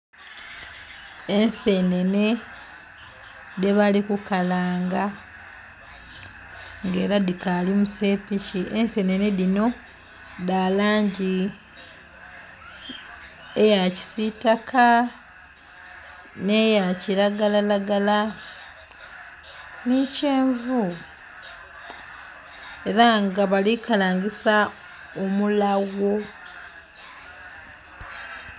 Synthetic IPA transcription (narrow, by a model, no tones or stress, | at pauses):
ensene̞ne̞ | deβalikukalaːŋɡa | ŋɡe̞ːɾadikalimuse̞ːpiciʔense̞neneðino̞ | dalaːɲɟi | ejaci̥sitakʰa | ne̞jacilaɡalalaɡala | nice̞ːɱvu | e̞ɾaŋɡaβalikalaːɲɡisa | omulaɡwo̞